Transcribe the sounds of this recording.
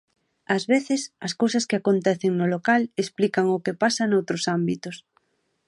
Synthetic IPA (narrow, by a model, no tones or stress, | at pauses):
ɐzβeθɪsɐskowsɐskɪakont̪ɛθeŋnolokalesplikaŋʊkepasɐnowt̪ɾosambit̪ʊs